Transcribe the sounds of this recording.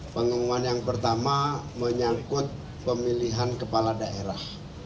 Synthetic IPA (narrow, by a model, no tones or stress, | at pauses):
pəŋəmuanjaŋpərt̪amaməɲakʊt̪̚ | pəmiliɦankəpaladaʔeɾah